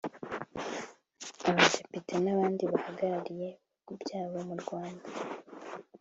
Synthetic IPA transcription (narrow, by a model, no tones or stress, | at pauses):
aβade̞pitʰenaβaːndiβahaɡaɾaɾije̞ | kubjaːβo̞muɾɡwaːnda